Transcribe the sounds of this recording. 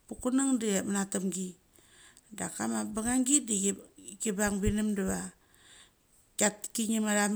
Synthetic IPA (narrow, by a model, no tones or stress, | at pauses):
pukunaŋdiemanatamɡi | da̰kamabaŋaŋɡidiɡikibaŋbinimdaβa | katkiŋimaɾam